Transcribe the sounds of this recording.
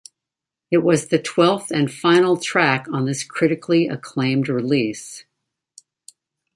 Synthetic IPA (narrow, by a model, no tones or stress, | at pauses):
ɨt̚wʌzðɨtʰw̥ɛlˠfθɨ̃nfãɪ̃nl̩ˠtʰɹ̥ækn̩ðɪskʰɹ̥ɪɾɨkʰliʔɨ̰kʰl̥ẽɪ̃md̚ɹɪlis